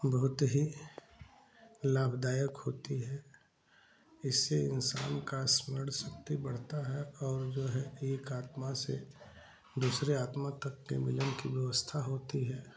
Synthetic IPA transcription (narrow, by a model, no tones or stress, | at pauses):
bɐɦʊt̪ɦi | laːbʱd̪aːjəkɦoːt̪iɦɛː | ɪsːeɪ̰nsa̰ːnkasməɽ̤sɐkt̪ibɐɽ̤t̪aɦɛɔːɾd͡ʒoːɦɛeːkaːt̪masḛ | d̪uːsɾeaːt̪mat̪ɐkːḛmɪlənkiʋjɐʋəst̪ʰaɦoːt̪iɦɛː